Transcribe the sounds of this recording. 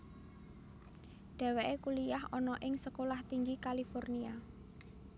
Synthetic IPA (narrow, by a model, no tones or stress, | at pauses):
ɖ̪̥ɛ̤weʔekulijahɔnɔʔɪŋsəkolaht̪iŋɡikalifɔrnia